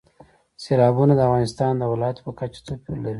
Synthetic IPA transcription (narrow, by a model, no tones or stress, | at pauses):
selɑbunad̪əafɣɑnɪst̪ɑnd̪əwɪlɑjat̪pəkat͡ʃḁt̪opʲolaɾi